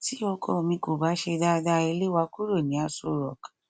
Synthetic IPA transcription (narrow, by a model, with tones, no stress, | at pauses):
ti˦ɔ˧kʰɔ˦˨mĩ˧˦ko˨ba˨˦ʃe˧da˦˧da˧˦e˧le˦wa˧ku˦ɾo˦˨nĩ˨˦a˧so˨ɾɔ̰˨k